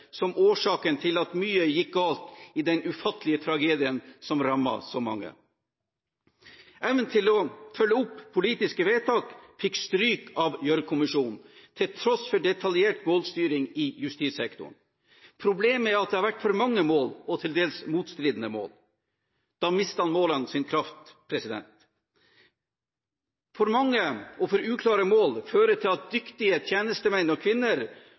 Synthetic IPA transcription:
sɔmʔoːʂɑːkənt̪ʰɪlɑt̪myːəjɪk̚ɡɑːlt̪ɪd̪ɛnʉfɑt̪ːəlɪət̪ʰɾɑɡeːd̪ɪənsɔmɾɑmːɑ̰sɔmɑ̰ŋːə̰ | ʔæːʋənt̪ʰɪlɔfœlːəʊpʰːʊliːt̪ɪskəʋeːt̪ʰɑːkfɪkst̪ɾyːkɑʋjœɾkʰʊmɪʂuːnn̩t̪ʰɪlt̪ʰɾɔsfɔɖɛt̪ʰɑljeːʈmoːlst̪yːɾɪŋɪjʉst̪iːsɛkt̪ʊ̰ɳ | pʰɾʊbleːmæɾɑt̪̚d̪ɛhɑɾʋæʈːfɔɾmɑŋːəmoːlɔt̪ʰɪld̪eːlsmuːt̪st̪ɾiːd̪ənəmo̰ːl | d̪̥ɑːmɪst̪əhɑnmoːlɑnsɪnkʰɾɑft̪pʰɾɛsɪd̪ɛ̰nt̪ | fɔɾmɑŋːəɔfɔɾʉːkʰlɑːɾəmoːlføːɾət̪ʰɪlɑt̪̚d̪ʏkt̪ɪət̪ʰjeːnəst̪əmɛnnɔkʰʋɪnːəɾ

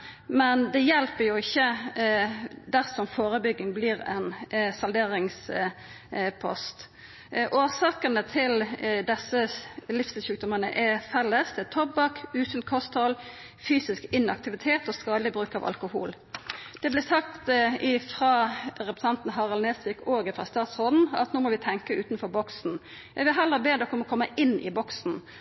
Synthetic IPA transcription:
mɛnd̪ɛjɛlpəjʊɪçːə | d̪æʁsɔmfoːʁəbʏɡːɪŋbliːʁɛnsɑld̪eːɾɪŋs | pʰɔ̰st̪ | ʔoːsɑːkənət̪ʰɪld̪ɛsːəlɪfsəʃʉːk̚d̪ʊmənə̰ʔɛfɛlːəsd̪ɛɛt̪ʰɔbɑkʉːsənkʰɔst̪hɔl | fyːsɪskɪnɑ̰kt̪ɪʋɪt̪ʰeːt̪oːskɑːd̪lɪbɾʉːkɑ̰ʋɑ̰lkʊhṵːl | d̪̥ɛblɪsɑkt̪ɪfʁɑːɾɛpɾəsɑnt̪n̩ɦɑʁɑlneːsʋɪːkoːɡəfɾɑ̰st̪ɑːt̪sʁoːd̪n̩ɑ̰t̪nuːmɔʋɪt̪ʰɛŋkəʉːt̪n̩fɔɾbɔksn̩ | ʋɛʋɪlɦɛlːəbeːd̪əkʰɔmɔkʰɔmːəʔɪnɪ̰bɔksn̩

